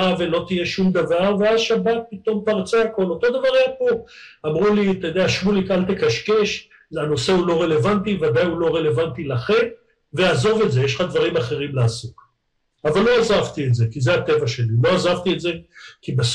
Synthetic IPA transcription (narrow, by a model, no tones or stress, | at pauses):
ave̞lot̪ije̞ʃumd̪avaʁveazʃabat̪̚pit̪o̞mpaʁt͡saako̞lo̞t̪o̞d̪avaʁepoamʁulit̪ojod̪eaʃmulikalt̪ekaʃke̞ʃ | ano̞se̞ulo̞ʁe̞le̞vant̪ivad̪ajulo̞ʁe̞le̞vant̪ilaχe̞m | veazo̞ve̞tzejeʃlχad̪vaʁimaχe̞ʁimlaːsok | avalːo̞azavt̪ietze̞kize̞at̪e̞vaʃe̞lilo̞azavt̪ietze̞kibes